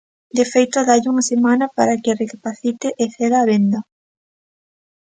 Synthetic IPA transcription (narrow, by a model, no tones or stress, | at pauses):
d̪efejt̪oðaʎuŋɐsemanɐpaɾakɪrekapaθit̪eʔeθeðaːβend̪ɐ